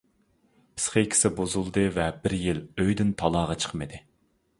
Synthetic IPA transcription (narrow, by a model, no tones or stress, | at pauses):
pʰɪ̥sχekʲʰɪ̥sɪbozulˠd̪ɨvɛbɪɾjiløjd̪ɪnt̪ʰɑlˠɑːʁɑt͡ʃʰə̥qʰmɨd̪ɨ